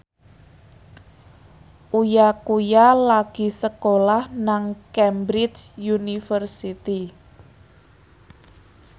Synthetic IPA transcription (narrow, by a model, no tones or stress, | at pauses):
ʔujakujalaɡ̥i̤səkolahnaŋkɛmbɾɪt͡ʃjunifərsit̪i